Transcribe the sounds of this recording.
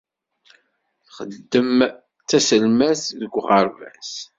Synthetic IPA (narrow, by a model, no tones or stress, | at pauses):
θχəd̪ːəm | t͡sːæsəlmæsðəɡʷʁɑɾˤvæs